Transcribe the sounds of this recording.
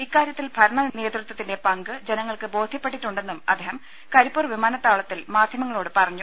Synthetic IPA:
ikːaːɾjɐt̪ːilbʱɐɾɐɳɐneːt̪rut̪wɐt̪ːinde̞pɐŋɡɨd͡ʑe̞nɐŋːɐɭkɨbo̞ːd̪ʱjɐpːe̞ʈːiʈːuɳɖe̞nːumɐ̰d̪ːeːɦhɐm | kɐɾipːurʋimaːnɐt̪ːaːɭɐt̪ːilmaːd̪ʱjɐmɐŋːɐɭoːɽɨpɐrɐɲːu

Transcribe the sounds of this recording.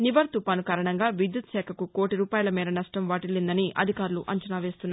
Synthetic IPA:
niʋɐɾt̪upɐnukaːɾɐɳɐŋɡaːʋid̪jut̪sɛːkʰɐkuko̞ːʈiɾuːpaːjɐlɐmiːɾɐnɐsʈɐmʋaːʈilːind̪ɐniʔɐ̰d̪ʱikaːɾuluʔɐɲt͡ʃɐnaːʋe̞ːst̪unːa

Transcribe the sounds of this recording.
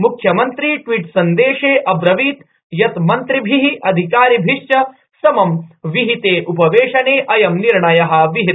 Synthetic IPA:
mukʰjɐmɐnt̪ɾiːʈʋiːʈsɐnd̪eːʂeːʔɐbɾɐʋiːt̪ | jɐt̪mɐnt̪ɾibʱiɦiʔɐd̪ʱikaːɾibʱiʂt͡ʃɐ | sɐmɐmʋiɦit̪eːʔupɐʋeːʂɐneːʔɐjɐmniɾɳɐjɐɦɐ̆ʋiɦit̪

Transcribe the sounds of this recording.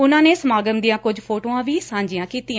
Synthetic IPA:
ʊnãːneːsəmaːɡəmd̪ijãːkʊd͡ʒpʰoːʈoːãːʋiːsãːɲd͡ʒɪjãːkiːt̪ɪã

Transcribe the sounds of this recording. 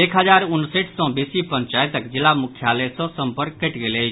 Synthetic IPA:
ekɦəd͡ʒaɾunseʈʰsə̃besipəɲt͡ʃajt̪əkd͡ʒilːamukʰjalesə̃səmpəɾkːeʈɡelejt͡ʃʰ

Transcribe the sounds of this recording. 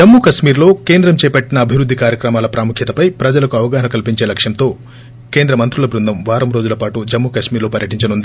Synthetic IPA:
d͡ʒɐmːuːkɐʃmiːɾlo̞ːke̞ːnd̪ɾɐmt͡ʃɛːpɐʈːinɐːbʱiʋɾud̪ːikaːɾjɐkɾɐmaːlɐpɾaːmukʰjɐt̪ɐpɐjpɾɐd͡ʒɐlɐkuɐʋɐɡaːɦɐnɐkɐlpiɲt͡ʃe̞ːlɐkʂjɐmt̪o̞ː | ke̞ːnd̪ɾɐmɐnt̪ɾulɐbɾund̪ʱɐmʋaːɾɐmɾo̞ːd͡ʒulɐpaːʈud͡ʒɐmːuːkɐʃmiːɾlo̞ːpɐɾjɐʈiɲt͡ʃɐnund̪i

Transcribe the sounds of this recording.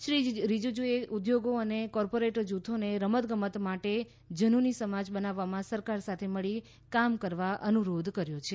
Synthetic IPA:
ʃɾid͡ʒɾid͡ʒud͡ʒueʔud̪joɡoənekɔɾpoɾeʈəɾd͡ʒut̪ʰoneɾəmət̪ɡəmət̪maʈe | d͡ʒənunisəmad͡ʒbənaʋːamãsəɾkaɾsat̪ʰeməɭi | kamkəɾʋaʔənuɾod̪ʱkəɾjot͡ʃʰe

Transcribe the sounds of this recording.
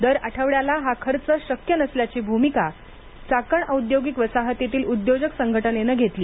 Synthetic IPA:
d̪əɾaʈʰəʋɭjalaɦakʰəɾt͡səɕəkjənəsljat͡ɕiːbʱumika | t͡sakəɳəud̪joɡikʋəsaɦət̪it̪iːlud̪jod͡ʑəksəŋɡʱəʈənenəɡʱet̪liː

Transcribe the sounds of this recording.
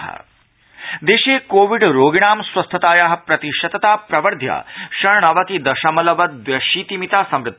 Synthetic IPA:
ɦɐ̰ | d̪eːʃeːkoːʋiɖɾoːɡiɳaːmswɐst̪ʰɐt̪aːjaːɦɐ̆pɾɐt̪iʃɐt̪ɐt̪aːpɾɐʋɐɾd̪ʱja̰ːʃɐɳɳɐʋɐk̪id̪ɐʃɐmɐlɐʋɐt̪̚ʋʋjɐʃiːt̪imit̪aːsɐmɾɨt̪ː

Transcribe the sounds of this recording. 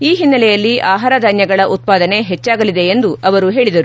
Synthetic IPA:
iːɦinːɐlɛjɐlːiʔaːɦaːɾɐd̪ʱaːnjɐɡɐɭɐʔut̪̚paːd̪ɐne̞ɦet͡ʃːaːɡɐlid̪e̞ːnd̪uʔɐʋɐɾuɦe̞ːɭid̪ɐɾu

